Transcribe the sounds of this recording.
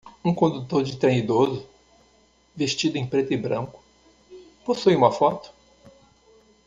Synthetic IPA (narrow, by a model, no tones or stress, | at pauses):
ũkõd̪ut̪oɾd͡ʒɪt̪ɾɐ̃id̪ozʊ | veʃt͡ʃid̪ʊẽj̃pɾet̪ʊibɾɐ̰̃kʊ̥ | posujũmɐfɔt̪ʊ̥